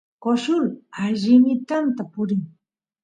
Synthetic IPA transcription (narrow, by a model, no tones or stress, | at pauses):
koʃʊlaʎɪmɪt̪ant̪apʊɾɪŋ